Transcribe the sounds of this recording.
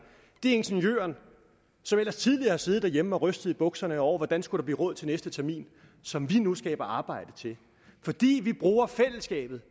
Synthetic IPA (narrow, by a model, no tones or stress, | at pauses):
d̥e̝e̝nɕenjø̰ːɐn | sɒ̽mel̰ɐst͡sʰið̞ˠliɐhɑ̈se̝ð̩ˠd̥æɐjemɒ̽ʁœsd̥əð̩ˠib̥ɔ̽ɡ̥sɐnəɒʊ̰ɐʋɒd̥ænsɡ̥udɾ̥ɑ̥lḭːʁɔ̽ð̰ˠt͡sʰe̝lnesd̥ət͡sʰæɐmḭːn | sɒ̽mʋinusɡ̥ɛ̰ːb̥ɐɑ̈ːb̥ɑ̈ɪ̰d̥ət͡sʰe̝l | fɒ̽d̥ḭːʋib̥ʁuːɐfel̰əsɡ̥ɛ̰ːb̥ð̞̩ˠ